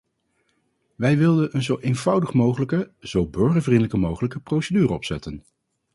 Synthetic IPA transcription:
ʋɛjʋɪlˠdənənzowʔejnvʌwdəχmowχələkəz̥owbøɹχəɹvrindələkəmowχələkəprowsədyːrəɔpsɛtən

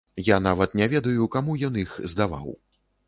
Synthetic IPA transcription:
janavɐt̪nʲɛvʲɛd̪ɐjukamujɔnixzd̪ava̰w

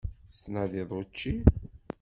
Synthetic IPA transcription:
t͡sːnæðiðˤot͡ʃːi

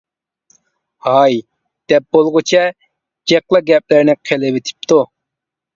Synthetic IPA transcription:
hɑj | d̪̥ɛp̚bolˠʁʊt͡ʃʰɛ | d͡ʒɛqlˠɑɡʲɛp̚lɪɾnɪqʰelɪvet̪ʰɪ̥p̚t̪ʰu

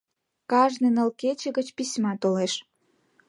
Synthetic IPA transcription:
kɑʒnenə̆lket͡ɕə̆ɣət͡ɕpisʲmɑt̪oleʃ

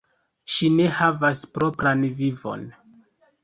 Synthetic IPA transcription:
ʃine̞havaspɾo̞pɾanvivo̞̰n

